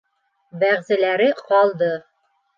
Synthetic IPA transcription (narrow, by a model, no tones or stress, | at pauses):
bæʁzɘ̆læɾɘqɒlˠd̪ɤ